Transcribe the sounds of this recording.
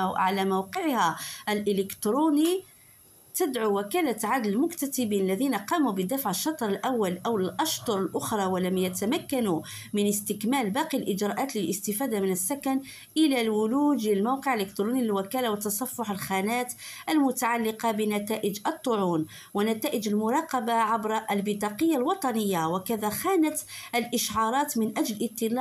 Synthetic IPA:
ʕalæmawqəʕhæʔəlʔɪlɪkt̪ɾuni | t̪əd̪ʕuwækælaʕad̪llmʊkt̪æt̪ɪbiːnəlːæðiːnaqɑːmubəd̪afʕəʃːɑt̪ˤɾˤəlʔæwːalʔæwlʔɑʃt̪ˤʊɾˤəlʔʊxɾˤɑwəlæmjæt̪amækːanu | mənəst̪ɪkmælbɑqilʔɪd͡ʒɾˤɑʔæːt̪ləlʔəst̪ɪfæːd̪amənəsːakæn | ʔɪlælwʊluːd̪ɪlmawqəʕlɪkt̪ɾunilwakæːlawət̪ːɑsˤɑfːʊħəlxænæːt̪ʔəlmʊt̪aʕalːɪqɑbənæt̪æːʔɪd͡ʒət̪ˤːʊʕuːn | wənːæt̪æːʔɪd͡ʒəlmʊɾˤɑːqɑbaʕabɾʔlbɪd̪ˤɑqəjːalwɑt̪ˤɑnəjːawɪkæðaxæːnat̪ʔəlʔɪʃʕɑɾˤɑːt̪mɪnʔæd͡ʒlʔət̪ˤːɪl

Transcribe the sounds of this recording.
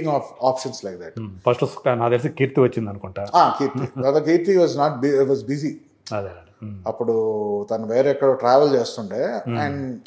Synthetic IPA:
ŋaːfʰaːpʃɐnslɐjk̚d̪ɛʈpʰɐsʈsnaːd̪els̬ikiːɾt̪iʋɐt͡ʃːind̪ɐnukuɳʈaːaːkiːɾt̪ɐd̪ɐk̬iːɾt̪iʋaːznaːʈ̚biʋaːzbizi | ɐd̪ | ɐpːuɽut̪ɐnɐʋeːɾekːɐɽoʈɾaːʋɐlt͡ʃe̞ːst̪uɳʈeːɛ̃ɳɖ

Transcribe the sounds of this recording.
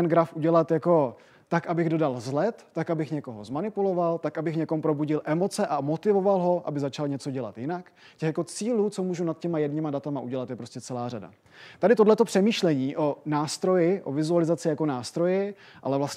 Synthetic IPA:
ɛnɡɾafʔuɟɛlat̪jako̞ | t̪akʔabɪɣdo̞dalzlɛt̪ːakabɪxɲɛko̞ɦo̞zmanɪpulo̞valt̪akʔabɪxɲɛko̞mpɾo̞buɟɪlʔɛmo̞t͡sɛʔamo̞t̪ɪvo̞valɦo̞ʔa̰bɪzat͡ʃalɲɛt͡so̞ɟɛla̰t̪jɪnak | cɛxjako̞t͡siːluːt͡so̞muːʒunat̪̚cɛmajɛdɲɪmadat̪amaʔuɟɛlat̪jɛpɾo̞scɛt͡sɛlaːrada̰ | t̪adɪt̪odlɛt̪o̞pr̥ɛmiːʃlɛɲiːʔo̞naːst̪ɾo̞jɪʔovɪzualɪzat͡sɪjako̞naːst̪ɾo̞jɪʔa̰lɛvlasɛ

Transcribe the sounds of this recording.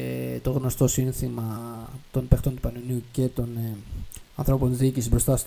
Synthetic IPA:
et̪o̞ɣno̞st̪o̞sinθimɐt̪o̞npext̪o̞nt̪u̥pɐnunuce̞t̪o̞n | ɐnθɾo̞po̞nðicisibɾo̞st̪ɐst̪

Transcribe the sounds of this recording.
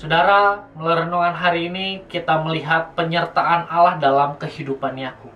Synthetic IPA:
sodaɾamələɾnuŋanɦaɾiːnikit̪aməliɦat̪̚pəɲərt̪aʔːnalahdalamkəhidupanjaku

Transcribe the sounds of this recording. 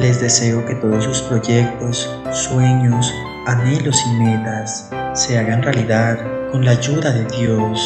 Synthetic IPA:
le̞zðe̞se̞o̞ke̞t̪o̞ðos̬uspɾo̞ʝe̞k̚t̪o̞sː | we̞ɲos | ane̞lo̞sime̞t̪asː | e̞aɣanrealiðaðko̞nlaːʝuðaðe̞ðjo̞s

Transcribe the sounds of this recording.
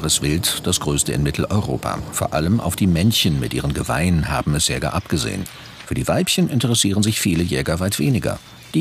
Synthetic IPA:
ʁəsv̥ɪltd̥asɡ̥ʁøːstəɪ̰nmɪtʰl̩ʔɔ̰ʏʁo̰ːpʰa̰foːɐʔaləmʔa̰ʊfd̥iːmɛnçənmɪtʔiːʁənɡəva̰ɪnənɦa̰ːbm̩ɛsz̥eːɐɡa̰ːʔapɡ̥əzḛːə̰n | fyːɐdiːvaɪpçənʔɪntəʁɛsiːʁənzɪçfiːləjɛːɡɐvaɪtv̥eːnɪɡɐ̰ | d̥iː

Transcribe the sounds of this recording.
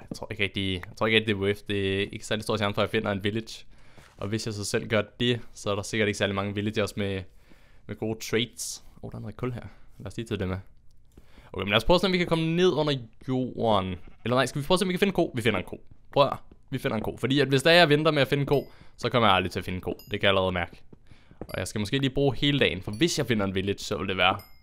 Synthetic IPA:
ɑjt͡sʰʁo̰ɐ̰e̝ɡ̥ʁeɡ̥̚d̥ijɑaɪ̥t͡sʰo̰eɡʁeɡ̚did̥eæoefd̥e̝æeɡ̥sæɐlisdo̝ɐ̰ɕjæɐnəfɒ̽jɑ̈ɪfe̝n̰ɐe̝nʋiled̥jʔɒ̽ʋe̝sjɑ̈ɪsɑsel̰ɡ̥ɶɐd̥e̝sɒ̽æɐɾɑ̈se̝ɡ̥ɐɾeɡ̥sæɐlimɑ̈ŋəʋile̥sɒ̽sme | meɡ̥o̝ːt͡sʰʁeːd̥sʔo̰d̥en̩ːˠeɡ̥̚kʰɔlɦæɐ̰læɐsliːt͡sʰe̝ldeme | oʊkḛmnlæɐspʰʁɔːselmʋikʰækʰɒ̽məne̝ð̞̰ˠɔ̽n̰ɐjo̝̰ːɐnelɐnɑ̈ɪ̰sɡ̥æʋipʰoːselmʋikʰæfe̝n̩kʰo̝̰ːʋife̝nɐenkʰo̝̰ːpʰʁœɐʋife̝nɐenko̝̰ːfɒdḭːæd̥ʋe̝sd̥æɐʋend̥ɐmeæfe̝nəkʰo̝̰ːsɒ̽kʰɒmɐjɑɑld̥ʁit͡sʰe̝ɐfe̝nkʰo̝̰ːd̥e̝kʰæjɑælɐʁɛð̞̩ˠmæɐɡ̥ə | ʔɒ̽jɑ̈ɪsɡ̥æmɒsɡ̥e̝̰ːliːb̥ʁuːhe̝ːlədɛ̰ːɪnfɒ̽ʋe̝sjɑ̈ɪfe̝n̰ɐe̝nʋeljə̥sɒ̽ʋe̝ld̥e̝ʋæːɐ

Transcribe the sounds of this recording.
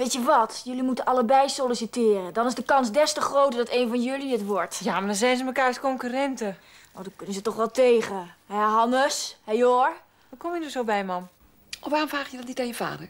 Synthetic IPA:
ʋeːtjəʋɔtjølimutənʔaləbɛjsolisitɪːrədɔnɪzdəkɑnsdɛstəxrowtədɔteːnvɔnjøliətʋɔɹtjamadɔnzɛjnzəməkaːrskoŋkyrɛntə | oːdɔnkønəsətɔχʋɛlˠteːɣəɦɛɦɔnəshɛjoɹ | ʋɔkɔmjənɔsowbɛjmɔm | ɔfʋaːrɔmfaːxjədɔtditajəfa̰ːdəɹ

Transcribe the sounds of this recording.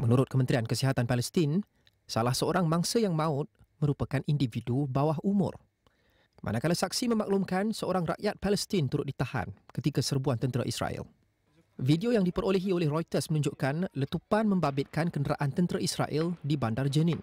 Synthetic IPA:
mənuɾʊt̪̚kəmənt̪ɾiankəsiɦat̪anpaləst̪in | salahsəoɾaŋmãŋsajaŋmãʊt̪̚ | mə̃ɾupakanʔindividubawaɦumʊ̰r | mʔa̰nakalasak̚simə̃maklumkansəoɾaŋra̰ʔjat̪̚paləst̪int̪uɾʊt̪̚dit̪aha̰nkət̪ikasərbuant̪ənt̪ɾa̰ʔḭsɾa̰ɪ̰l | vidiojaŋdipəɾoləɦiolɛhrojt̪ərsmənũɲd͡ʒʊʔkanlət̪upanmə̃mbabɪt̪̚kankəndəɾa̰ʔant̪ənt̪ɾaisɾa̰ʔɛldibandard͡ʒənɪ̃n

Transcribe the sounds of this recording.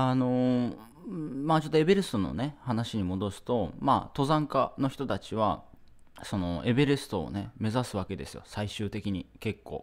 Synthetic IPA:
ano̞ | maːt͡ɕo̞t̪ːoe̞be̞ɾesɨ̥t̪o̞no̞̰ne̞hanaɕiɲ̟imo̞d̪o̞sɨ̥t̪o̞ma̰ːt̪o̞zãŋkano̞çi̥t̪o̞t̪at͡ɕiβa̰ | so̞no̞̰e̞be̞ɾesɨ̥t̪o̞̰ːne̞me̞zasɨβ̞ake̞d̪e̞sɨjo̞̰saiɕɨːt̪e̞kʲiɲ̟ike̞kːo̞̰ː

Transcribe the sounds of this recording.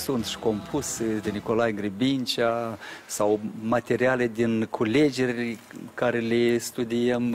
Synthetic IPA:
sunt̪ʃi̥ko̞mpʰused̪eniko̞lajɡɾibint͡ʃasawmat̪e̞ɾialed̪inkʰule̞d͡ʒe̞rʲkaɾelest̪ud̪iəm

